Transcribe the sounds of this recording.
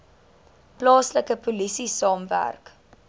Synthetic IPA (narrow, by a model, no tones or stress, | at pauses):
plɑːsləkəpolisisɑːmvæ̰rk